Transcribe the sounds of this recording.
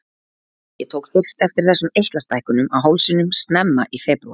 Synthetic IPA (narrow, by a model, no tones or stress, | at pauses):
jɛt̪ʰowkfɪr̥st̪ɛft̪ɪɾ̥θɛsːʏmejht̪last̪ajhkʏnʏmaɦowlsɪnʏmst̪nɛmːaʔifɛːpɾuḁ